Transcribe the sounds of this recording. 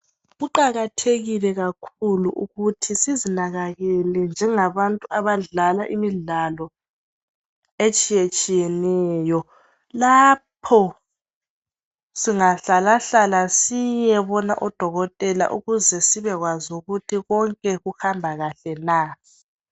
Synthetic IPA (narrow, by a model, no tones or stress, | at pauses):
ɣuǃaɣatʰeɣilɛɣakʰuluʔuɣutʰisizinaɣaɣɛlɛnd͡ʒʱɛŋaβantʼuʔaβaɮalaʔimiɮalɔ | et͡ʃʼijet͡ʃʼijɛnɛːjɔ | lapʰɔ | siŋaɬalaɬalasijɛβɔna̰ʔɔd̥ʱɔɣɔtʼɛla̰ʔṵɣuzɛsiβɛɣwazuɣutʰiɣɔŋkʼɛɣuxambʱaɣaɬɛna